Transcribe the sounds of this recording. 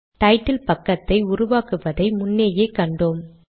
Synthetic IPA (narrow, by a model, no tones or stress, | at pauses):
ʈɐɪʈːɪlpɐkːɐt̪ːɐɪʊɾʊʋaːkɯʋɐðɐɪmʊnːeːjeːkːɐɳɖoːm